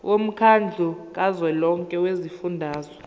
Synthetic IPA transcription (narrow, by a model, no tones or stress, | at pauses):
wʔom̩kʰand͡ɮʱuk̬ʼazwɛlɔŋkʼɛwezifundʱaːzɔ